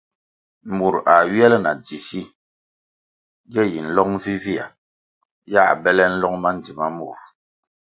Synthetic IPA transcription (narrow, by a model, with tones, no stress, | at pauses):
mu˨ɾa˨ɥjɛ˦lɛ˦na˨d͡zi˨si˦ | ɡɛ˦ji˨n̩˦lɔ˦ŋ̚m˦vi˦vi˦a̰˨ | ja˦˨a̰˨bɛ˦lɛ˦n̩˦lɔ˦ŋma˦n̩˨d͡zi˨ma˦mu˨ɾ